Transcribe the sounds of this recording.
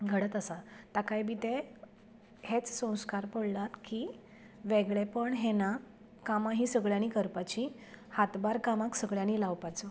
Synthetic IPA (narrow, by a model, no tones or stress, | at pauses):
ɡʱəɽət̪əsat̪akajbit̪e | het͡ssə̃w̃skaɾpəɽlat̪ki | ʋeɡɭepəɳɦena | kamaɦĩsəɡɭjañikəɾpat͡ɕĩ | hat̪baɾkamaksəɡɭjañilawpat͡sɔ